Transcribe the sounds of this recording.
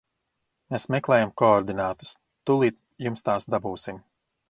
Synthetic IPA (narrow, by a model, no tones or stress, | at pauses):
mesmɛklˠɛːjamkɔɔɾd̪inaːt̪u̥s | t̪ulˠiːt̪̚ | jumst̪aːsd̪abuːsim